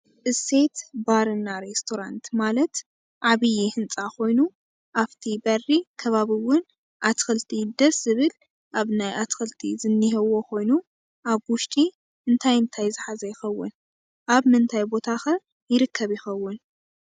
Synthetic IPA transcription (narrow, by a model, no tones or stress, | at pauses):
ʔɨse̞t̪baɾɨnːaɾest̪ʰoɾant̪malɐt̪ | ʕaβɨjihɨnt͡sʼaxʰo̞jnu | ʔaβt̪ʰibɐrːikʰɐβaβiwʊn | ʔat̪xɐlt̪ʰid̪ɐszɨβɨl | ʔaβnajʔat̪xɐlt̪ʰḭzɨnːiɦɐwokʰo̞jnu | ʔaβwʊʃt̪ʼi | ʔɨnt̪ʰajɨnt̪ʰajzɨħazɐjɪxɐwːʊn | ʔaβmɨnt̪ʰajbo̞t̪ʰaxɐ | jɪɾɨkʰːɐβjɪxɐwːʊn